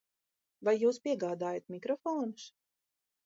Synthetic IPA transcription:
vajːuːspʲiɛɡaːd̪aːjat̪mʲikɾɔfoːnus

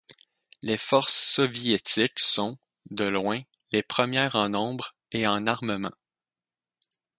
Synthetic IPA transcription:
lefɔʁsːɔvjet̪ɪksɔ̃ | d̪əlwɛ̃ | lepχəmjɛːʁɑ̃nɔ̃bʁ | eɑ̃naʁməmɑ̰̃

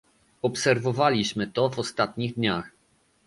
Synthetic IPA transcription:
ɔpsɛɾvɔvalʲiɕmɘt̪ɔvɔst̪at̪ɲiɣd̪ɲax

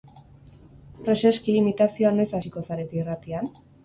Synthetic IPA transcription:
pɾe̞se̞skiːmit̪asio̞anoesasiko̞saɾet̪eirat̪ian

